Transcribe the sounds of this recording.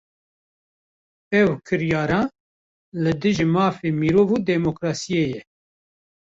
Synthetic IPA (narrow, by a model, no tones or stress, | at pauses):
ɛwkʰɨɾjɑːɾɑ̃ː | lɨd̪ɨʒimɑːfemiːɾoːvuːd̪ɛmokɾɑːsijejɛ